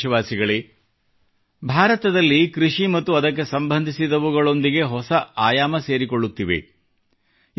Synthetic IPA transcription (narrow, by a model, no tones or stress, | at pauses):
ɐʋaːsiɡɐɭi | bʱaːɾɐt̪ɐd̪ɐlːikɾiʂimɐt̪ːuɐd̪ɐk̬ːe̞sɐmbʱɐnd̪ʱisid̪ɐʋuɡɐɭo̞nd̪iɡe̞ɦɔsɐaːjaːmɐse̞ːɾiko̞ɭːut̪ːiʋḛ